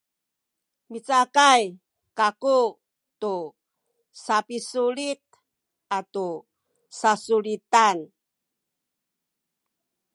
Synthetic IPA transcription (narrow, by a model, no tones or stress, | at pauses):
mit͡sakaj | kaku | tu | sapisuɾit̪̚ | atu | sasulit̪an